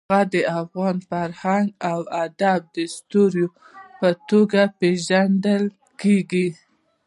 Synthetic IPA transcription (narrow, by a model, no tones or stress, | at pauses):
ad̪əafɣɑnfaɾhaŋɡawad̪ab̚d̪əst̪oɾjo | pət̪oɡapeʒaɳɖ̪əl | keɡi